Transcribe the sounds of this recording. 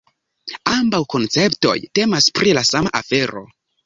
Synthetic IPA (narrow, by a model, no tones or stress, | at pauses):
ambawko̞nt͡se̞pto̞̰jte̞maspɾilasamaʔafe̞ɾo̞̰